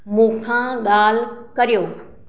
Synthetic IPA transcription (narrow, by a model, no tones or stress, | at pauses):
mũːkʰãɠaːlkɐɾijoː